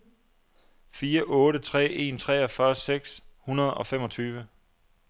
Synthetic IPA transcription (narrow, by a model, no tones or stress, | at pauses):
fiːɐʔɔ̽ːɾət͡sʰʁɛ̰ːe̝ːnt͡sʰʁɛːɒfɶɐseɡ̥shunɐð̞ˠɒ̽femɒ̽t͡sʰyːʋə